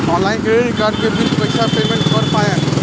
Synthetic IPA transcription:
ɔ̃ːnlaɪnkɾeɾikaːɾɖ̚kebilpəjsapeːmẽɳʈpəɾpãjãn

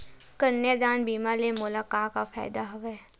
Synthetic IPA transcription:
kəɾned̪aːnbiːmaːlemʊlakaːkafa̰ːɪd̪aɦʊʋeː

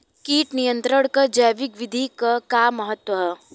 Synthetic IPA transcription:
kiːʈnijə̃nt̪ɾəɽ̃kɐd͡ʒɐjʋɪkʋɪd̪ʱikɐkaːmɐɦət̪wɐɦɛː

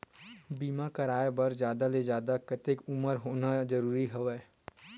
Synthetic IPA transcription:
biːmakɐɾaːebɐɾd͡ʒjaːd̪aled͡ʒjaːd̪akɐt̪ɪkʊməɾɦoːnad͡ʒɐɾuːɾiɦɐʋɛː

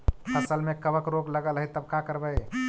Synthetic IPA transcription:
pʰəsəlmekəbəkɾoɡləɡəlɦəjt̪əbkakəɾbəj

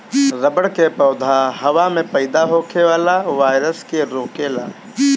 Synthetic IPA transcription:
ɾɐbəɽkepɐːd̪ʱaɦɐʋamẽpɐɪd̪aɦoːkʰeʋaːlaʋaːɪɾəskeɾoːkeːla̰ː

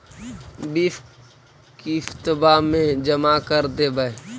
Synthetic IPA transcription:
biːf | kift̪əbamẽd͡ʒəmakəɾd̪ebəe

